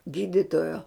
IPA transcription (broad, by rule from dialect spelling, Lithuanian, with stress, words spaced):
ˈɡʲiːdʲɪtoːjoː